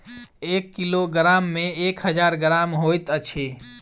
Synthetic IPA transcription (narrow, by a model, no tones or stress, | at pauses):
ekːiloɡɾamːẽekɦəd͡ʒaːɾɡɾaːmɦojt̪ət͡ʃʰe